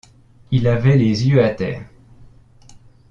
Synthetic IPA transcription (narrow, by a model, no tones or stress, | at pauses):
ilavɛlezjøat̪ɛ̰ːʁ